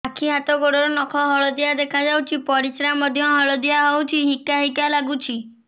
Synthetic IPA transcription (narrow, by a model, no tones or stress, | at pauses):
akʰiɦat̪ɔɡoɽɔɾɔnɔkʰɔɦɔɭɔd̪ijad̪ekʰad͡ʒawt͡ʃʰipɔɾisɾamɔd̪ʱjɔɦɔɭɔd̪ijaɦɔwt͡ʃʰiɦikaɦikalaɡut͡ʃʰi